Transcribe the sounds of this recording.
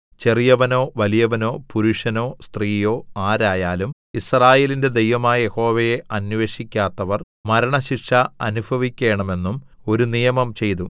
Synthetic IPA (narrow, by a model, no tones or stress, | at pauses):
t͡ɕe̞rijɐʋɐno̞ːʋɐlijɐʋɐno̞ːpuɾuʂɐno̞ːst̪riːjo̞ːaːɾaːjaːlum | israːje̞ːlinde̞d̪e̞jʋɐmaːjɐje̞ho̞ːʋɐjeɐnʋe̞ːʂikʲːaːt̪ːɐʋɐr | mɐɾɐɳɐɕikʂɐɐ̰nubʱɐʋikʲːe̞ːɳɐme̞nːum | o̞ɾunijɐmɐmt͡ɕe̞jt̪̬u